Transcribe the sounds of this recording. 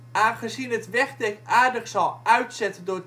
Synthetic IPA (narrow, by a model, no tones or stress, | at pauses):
ʔaːnχəzinɦətʋɛχdɛkaːɹdəχsɑlˠʔœɥtsɛtədʊːɹ